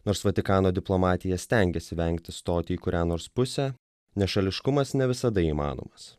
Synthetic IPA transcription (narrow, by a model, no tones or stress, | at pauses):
noːɾsʋɐt̪ʲɪkɑːnoːd̪ʲɪplˠomɑːt̪ʲɪjɛsʲt̪ʲæŋʲɡʲɛsʲɪʋʲɛŋʲkt̪ʲɪst̪oːt̪ʲɪiːkʊɾʲæːnoːɾspʊsʲɛ | nʲɛʃɐlʲɪʃkʊmɐsnʲɛʋʲɪsɐd̪ɐiːmɑ̰ːno̰ːmɐs